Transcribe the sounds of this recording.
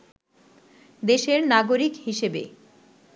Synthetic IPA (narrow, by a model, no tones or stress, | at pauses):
d̪eʃeɾnaɡoɾikhiʃebḛ